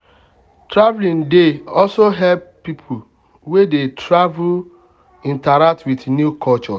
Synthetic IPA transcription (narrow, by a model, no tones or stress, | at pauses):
tɾavlĩndeɔlsoɦɛb̚pipʰo | wedetʰɾavul | ĩntaɾak̚twiθnjukʰɔlt͡ʃɔ